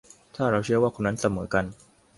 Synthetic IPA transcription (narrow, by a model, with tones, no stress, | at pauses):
t̪ʰaː˥˩ɾa˧wt͡ɕʰɯ˥˩ɐwaː˥˩kʰo˧nːa˦˥nsa˧mɤː˩˦ka˧n